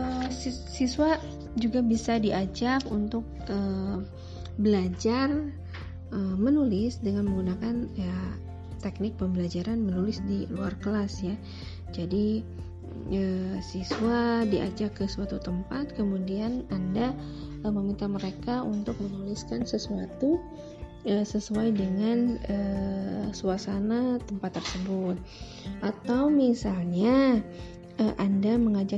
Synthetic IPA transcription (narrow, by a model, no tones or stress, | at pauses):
əs | siswa | d͡ʒuɡabisadiʔad͡ʒakunt̪ʊk̚ə | bəlad͡ʒar | əmənulɪsdəŋanməŋɡunakanja | t̪ɛk̚nɪk̚pəmbəlad͡ʒaɾanmənulɪsdiluarkəlasja | d͡ʒadi | əsiswadiʔa̰d͡ʒakəsuat̪ut̪əmpat̪̚kəmudiananda | əməmint̪aməɾekaunt̪ʊk̚mənuliskansəsuat̪u | əsəsuajdəŋanə | suasanat̪əmpat̪ːərsəbʊt̪̚ | ʔat̪awmisalɲa | ʔəʔandaməŋad͡ʒa